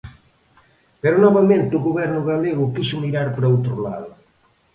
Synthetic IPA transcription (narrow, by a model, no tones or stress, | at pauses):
peɾʊnɔβamẽnt̪ɪʊɣoβɛɾnʊɣaleɣʊkisʊmiɾaɾpɾɐowt̪ɾʊla̰ðʊ